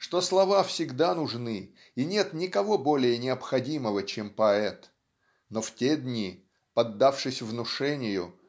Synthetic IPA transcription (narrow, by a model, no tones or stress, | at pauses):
ʂt̪o̞slˠɐvafsʲɪɡd̪anʊʐnɨ | inʲe̞t̪nʲɪkɐvo̞bo̞lʲɪjənʲɪəpxɐdʲiməvət͡ɕempɐɛt̪ | noftʲed̪ʲnʲi | pɐd̪ːafʂɨsʲvnʊʂɛnʲɪjʊ